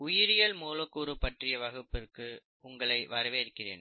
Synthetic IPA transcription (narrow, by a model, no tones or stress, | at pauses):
ʊjɪɾɪjɐlmuːlɐkːuːɾɯpɐʈrɪjɐʋɐɣɯpːɪrkɯ | ʊŋɡɐɭɐɪʋɐɾɐʋeːɪɾɯkːɪrḛːn